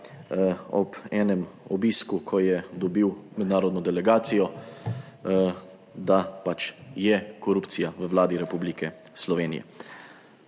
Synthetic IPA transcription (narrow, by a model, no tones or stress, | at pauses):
ɔbɛːnɛmɔbiːskukʰɔjɛd̪ɔbiwmɛd̪naːɾɔd̪nɔd̪ɛlɛɡaːt̪sijɔ | d̪apat͡ʃjɛkɔɾuːpt̪sijaʋəwlaːd̪iɾɛpublikɛ | slɔʋeːnḭjɛ̰